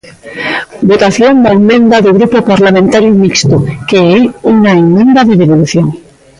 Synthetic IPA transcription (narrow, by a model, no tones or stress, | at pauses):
bot̪aθjond̪aemẽnd̪aðoɣɾupopaɾlamẽnt̪aɾjomikst̪okeejuŋaemːẽnd̪aðeðeβoluθjoŋ